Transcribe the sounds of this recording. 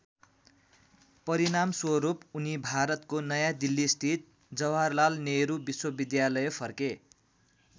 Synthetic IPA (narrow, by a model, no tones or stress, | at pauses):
pʌɾinamswʌɾupunibʱaɾʌt̪konʌjãd̪ilːisʈ̪ʰit̪̚ | d͡zʌwarlalneɾubiswʌbid̪jalʌjepʰʌrke